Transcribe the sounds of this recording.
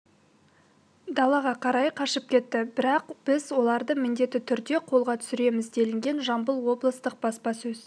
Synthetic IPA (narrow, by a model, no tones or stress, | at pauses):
d̪ɑlˠɑʁɑqʰɑɾɑjqʰɑʃəp̚kʲʰe̞t̪ːɪbɪɾɑqb̥ɪzwo̞lˠɑɾd̪əmɪnd̪e̞t̪ɪt̪ʰʏɾd̪e̞qʰo̞lˠʁɑt̪ʰʏ̥sɪɾe̞mɪzd̪e̞lɪŋɡʲe̞nʒɑmbəlˠwo̞blˠəst̪əq̚b̥ɑspɑsɵz̥